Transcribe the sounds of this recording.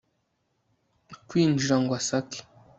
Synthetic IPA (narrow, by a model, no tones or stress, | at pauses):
kwiːnd͡ʒiɾaŋɡwasaki̥